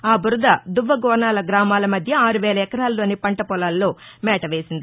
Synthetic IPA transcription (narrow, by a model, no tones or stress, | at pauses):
aːbuɾud̪ɐd̪uʋːɐɡɔːnaːlɐɡɾaːmaːlɐmɐd̪ʱjɐaːɾuʋɛːlɐɛkɐɾaːlːoːnipɐɳʈɐpɔlaːlːoːmɛːʈɐʋe̞ːsind̪i